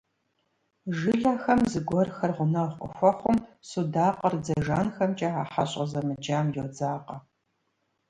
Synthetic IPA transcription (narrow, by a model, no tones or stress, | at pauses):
ʒɨɮaːxɐmzɨɡʷɔrxɐrʁʷʊnɐʁʷʼʊ̰xʷɔχʷʊmsudaːqərd͡zɐʒaːnxɐmt͡ʃʼaaːħaɕʼɐzɐmɨd͡ʒaːmjʊd͡zaːqɐ